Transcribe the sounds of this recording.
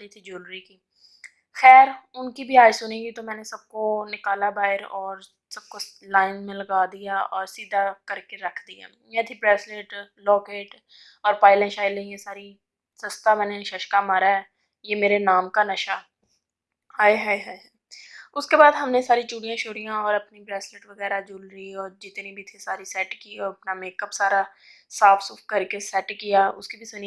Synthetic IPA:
it̪ʰid͡ʒoːlɾikiː | xɛːɾʊnkibʱiaːsʊniɡit̪omɛ̃ːnesɐb̚konɪkaːlabaːɦɪɾɔːɾ | sɐb̚kolaːɪnmẽlɐɡaːd̪ijaɔːɾsiːd̪ʱakɐɾkeɾɐkʰd̪ija̰ː | jɛ̃t̪ʰipɾɛːsleːʈlɔːkeːʈ | ɔːɾpaːɪlɛ̃ʃaːɪlẽijesaːɾi | sɐst̪amɛ̃ːneʃɐʃkamaːɾaɦɛː | jeːmeːɾenaːmkanɐʃa | haːjɦaːjɦaːj | ʊskebaːd̪ɦɐmnesaːɾit͡ʃuːɽijãʃoːɽijãɔːɾɐpnibɾɛːsleːʈʋɐɣɛːɾad͡ʒʊlɾiɔːɾd͡ʒɪt̪nibʱit̪ʰisaːɾisɛːʈkiɔːɾɐpnameːkəpsaːɾa | saːfʰsuːfkɐɾkesɛʈkijaʊ̰skibʱisʊni

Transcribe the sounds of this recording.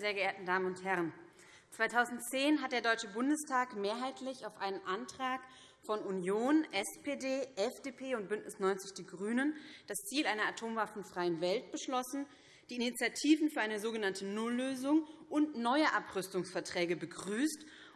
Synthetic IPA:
zeːɐɡəeːɐtn̩daːmənʊnthɛʁ̞ən | t͡sv̥aɪtʰaʊzn̩tt͡seːnɦat̚d̥eːɐdɔʏt͡ʃəbʊndəstʰaːkmeːɐɦaɪtʰlɪçaʊfʔaɪnənʔantʁ̥aːk | fɔnunjoːnʔɛspʰeːdeːʔɛfd̥eːpʰeːʊnt̚b̥ʏntnɪsnɔʏnt͡sɪçd̥iːɡʁyːnənd̥ast͡siːlʔaɪnɐatʰoːmvafn̩fʁ̥aɪənvɛlt̚b̥əʃlɔsn̩ | d̥iːinit͡sjatʰiːvn̩fyːɐʔaɪnəzoːɡənantənʊlːøːzʊŋʔʊntnɔʏəʔapʁ̥ʏstʊŋsfɛɐtʁ̥ɛːɡəbəɡʁyːst

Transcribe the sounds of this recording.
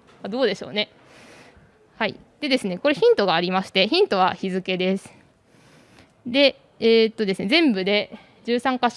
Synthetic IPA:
ad̪o̞ːd̪e̞ɕo̞̰ːne̞ | haḭ | d̪̥e̞d̪e̞sɨne̞ko̞ɾe̞çĩnt̪o̞ɡaːɾʲimaɕi̥t̪e̞çĩnt̪o̞βa̰çizɨke̞d̪e̞sɨ̥ | d̪e̞ː | t̪ːo̞d̪e̞sɨne̞zẽ̞mbɯ̟d̪e̞ | d͡ʑɨːsãŋkaɕ

